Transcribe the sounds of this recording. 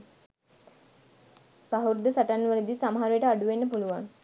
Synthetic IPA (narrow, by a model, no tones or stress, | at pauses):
saɦuɾd̪əsaʈanːʋələd̪isaməɦaɾujəʈəaɖuʋenːəpuluʋaŋ